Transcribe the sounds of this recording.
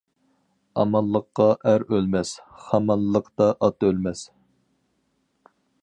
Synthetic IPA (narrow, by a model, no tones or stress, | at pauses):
ɑmɑlˠːəqːɑʔæɾølmɛsχɑmɑlːəqt̪ɑʔɑt̪ølmɛs